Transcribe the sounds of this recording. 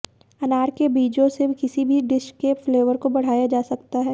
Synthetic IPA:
ɐnaːɾkebiːd͡ʒõsekɪsibʱiɖɪʃkːefleːʋəɾkobɐɽ̤aːjad͡ʒaːsɐkt̪aɦɛː

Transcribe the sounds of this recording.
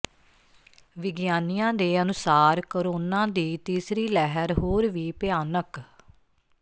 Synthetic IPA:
ʋɪɡjaːnijãːd̪eːənʊsaːɾkoɾoːnãːd̪iːt̪iːsɾiːlɛɦəɾɦoːɾʋiːpɪaːnək

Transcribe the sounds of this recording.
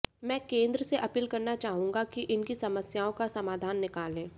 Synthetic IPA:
mɛ̃ːkẽːnd̪ɾəseʔɐpiːlkɐɾnat͡ʃaːɦũːŋɡakiʔɪnkisɐməsjaːõkasɐmaːd̪ʱaːnːɪkaːlẽː

